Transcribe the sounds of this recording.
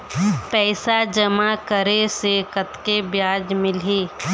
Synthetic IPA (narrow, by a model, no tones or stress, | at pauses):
pɛːsad͡ʒəmakəɾesekət̪kebjaːd͡ʒmɪlɦiː